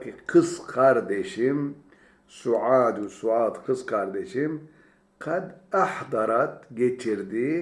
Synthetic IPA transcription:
kiqʰɨsqʰaɾd̪eʃim | suʕaːd̪usuaːt̪qʰɨsqʰaɾd̪eʃim | qʰad̪aħd̪ɑɾat̪ɡet͡ʃʰiɾd̪i

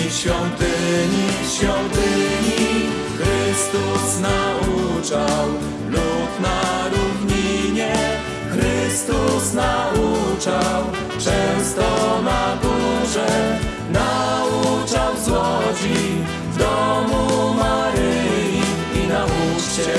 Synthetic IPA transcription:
ɕfʲjɔnt̪ɪɲiɕfʲjɔnt̪ɪɲi | xɾɘst̪usnaut͡ʂaw | lupnaɾuvɲiɲɛ | xɾɘɪst̪usnaut͡ʂaw | t͡ʂɛ̃w̃st̪ɔnaɡuʐɛ | naut͡ʂawzwɔd͡ʑi | vd̪ɔmumaɾɘjjji | inau | ɛ

